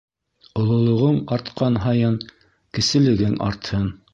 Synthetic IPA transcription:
ŏlˠŏlˠŏʁɤɴɑɾt̪qɑnɦɑjɤn | kɘ̆sɘ̆lɘ̆ɡɘŋɑ̰ɾt̪hɤn

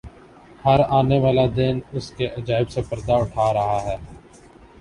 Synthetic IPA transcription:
həɾaːneʋaːlad̪ɪnʊskeʔɐd͡ʒaːɪbsepɐɾd̪aʊʈʰaːɾɐɦaɦɛː

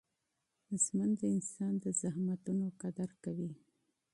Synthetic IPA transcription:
mʊsmand̪əɪnsɑnd̪əzahmat̪unoqad̪aɾkawi

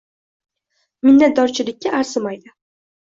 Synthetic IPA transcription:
mɪnːat̪̚d̪ɒɾt͡ʃʰɪlɪkʲːaaɾsɪmajd̪ɪ

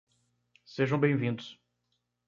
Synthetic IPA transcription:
seʒɐ̃w̃bẽj̃vĩnd̪ʊs

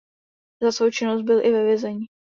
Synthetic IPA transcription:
zasvowt͡ʃɪnost̪̚bɪlʔɪvɛvjɛzɛɲi

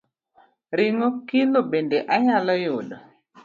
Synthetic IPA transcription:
ɾɪŋokilobendeʔaɲalɔjodo

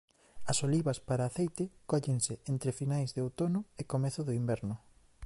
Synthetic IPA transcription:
ɐsoliβɐspaɾaːθejt̪ɪkɔʎeŋsɪent̪ɾɪfinajzðeowt̪onʊekomeθʊðʊimbɛɾnʊ

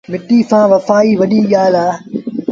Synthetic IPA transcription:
mɪʈːiːsãːʋɐfaːiːʋɐɗiːɠaːlaː

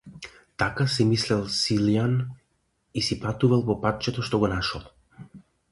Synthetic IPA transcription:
t̪akasimislɛlˠsilijan | isipat̪uvalˠpɔpat̪̚t͡ʃɛt̪ɔʃt̪ɔɡɔnaʃɔlˠ

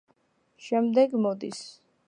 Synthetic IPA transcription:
ʃɛmd̪ɛɡmɔd̪ḭs

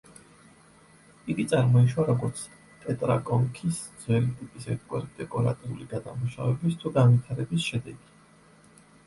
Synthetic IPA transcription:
iɡit̪sʼaɾmɔiʃwaɾɔɡɔɾt̪sʰ | pʼɛt̪ʼɾa̰kʼɔŋkʰisd̪z̥wɛlit̪ʼipʼisɛɾt̪̚ʰɡwɛ̰ɾd̪̥ɛkʼɔɾa̰t̪ʼɔɾuliɡad̪a̰muʃa̰vɛbist̪ʰuɡanvit̪ʰaɾɛbisʃɛd̪ɛɡi

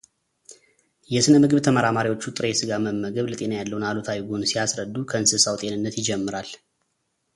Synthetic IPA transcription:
jɛsɨnəmɨɡɨβt̪ʰəməɾamaɾiwo̞t͡ʃːut̪ʼɨɾesɨɡaməmːəɡəβlət̪ʼe̞najalːəwunalot̪ʰawiɡonsijasɾəd̪ːukʰəɨnsɨsawt̪ʼe̞nɨnːət̪jɪd͡ʒɛmːɨɾal

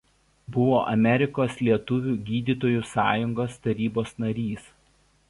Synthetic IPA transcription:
bʊʋoːʔɐmʲɛɾʲɪkoːslʲiɛt̪ʊʋʲuːɡʲiːd̪ʲiːˑt̪oːjuːsɑːjʊŋɡoːst̪ɐɾʲiːboːsnɐɾʲiːs

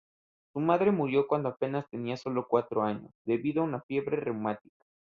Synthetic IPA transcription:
sumaðɾe̞muɾjo̞kwand̪oape̞nast̪e̞niaso̞lo̞kwat̪ɾoaɲo̞̰sd̪e̞βiðoaunafje̞βɾerewmat̪ikḁ

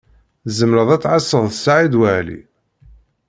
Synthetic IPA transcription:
zəmɾəðˤæt͡sːʕɑsːəðˤθəsaʕid̪wæʕlḭ

